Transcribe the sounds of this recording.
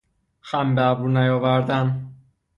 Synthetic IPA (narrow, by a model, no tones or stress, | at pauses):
xæmbææbuɾnæjɒːvæɾd̪æn